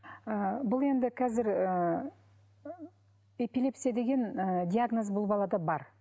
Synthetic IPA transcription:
əbʊlˠe̞nd̪ɪkʲʰæzɪɾə | e̞pile̞psijad̪e̞ɡʲe̞nəd̪ʲiaɡnozbʊlˠbɑlˠɑd̪ɑbɑɾ

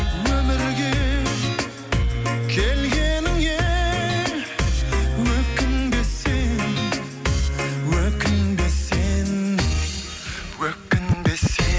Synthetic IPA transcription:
wɵmɪɾɡʲe | kʲʰelɡʲenɪŋje | wɵkɪnbesen | wɵkʲɪnbesen | wøkːɪnbese

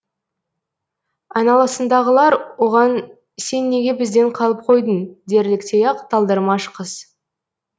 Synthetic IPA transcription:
ɑjnɑlˠɑsənd̪ɑʁəlˠɑɾwo̞ʁɑn | se̞nːe̞ɡʲe̞bɪzd̪e̞ɴqʰɑlˠəp̚qʰo̞jd̪ənd̪e̞ɾlɪkt̪ʰejɑqt̪ʰɑlˠd̪əɾmɑʃəqəz̥

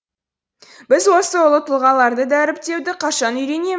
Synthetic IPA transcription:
bɪzwo̞səwolˠət̪ʰʊlˠʁɑlˠɑɾd̪əd̪æɾɪp̚t̪e̞wd̪ɪqʰɑʃɑnʏjɾe̞ne̞

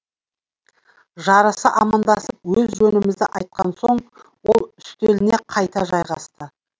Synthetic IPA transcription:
ʒɑɾəsəʔɑmɑnd̪ɑsəp̚wɵzʒɵnɪmɪzd̪ɪ̰ʔɑjt̪̚qɑnso̞ɴwo̞lˠʏst̪elɪne̞qʰɑjt̪ɑʒɑjʁɑst̪ə

